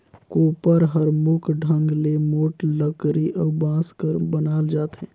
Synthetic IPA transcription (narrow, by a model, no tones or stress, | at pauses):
koːpəɾɦəɾmʊkʰɖʱə̃ŋɡlemoːʈləkɾiʔəːbãːskəɾbənaːld͡ʒaːt̪ɦɛ̃ː